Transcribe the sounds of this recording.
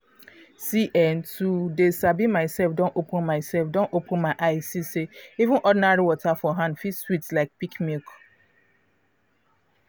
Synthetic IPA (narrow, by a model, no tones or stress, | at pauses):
siʔɛ̃ntudesabimaɪsɛlfdɔ̃nʔopʊ̃nmaɪsɛlfdɔ̃nʔopʰʊ̃nmaɪʔaɪsiseivũnʔɔdɪnaɹiwɔtʰafɔɦãndfitswitslaɪk̚pikmilk